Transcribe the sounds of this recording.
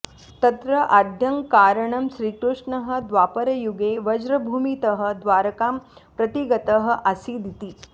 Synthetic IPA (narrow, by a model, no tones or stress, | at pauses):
t̪ɐt̪ɾɐʔad̪ʱjɐŋkaːɾəɳɐmʃɾiːkɾuʂɳɐɦə̆d̪ʋaːpəɾɐjuɡeʋɐd͡ʒɾɐbʱuːmit̪əɦə̆d̪ʋaːɾɐkaːmpɾɐt̪iɡɐt̪əɦə̆ʔasiːd̪it̪iː